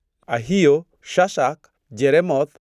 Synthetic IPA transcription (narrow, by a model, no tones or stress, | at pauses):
aɦijo | ʃasak | d͡ʒeɾemɔt̪̚